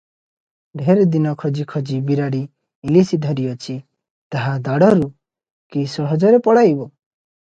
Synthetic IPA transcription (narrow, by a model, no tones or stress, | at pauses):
ɖʱeɾd̪inɔkʰɔd͡ʒikʰɔd͡ʒibiɾaɽiː | lisid̪ʱɔɾijɔt͡ʃʰi | t̪aɦad̪aɽɔɾu | kisɔɦɔd͡ʒɔɾepɔɽajbɔ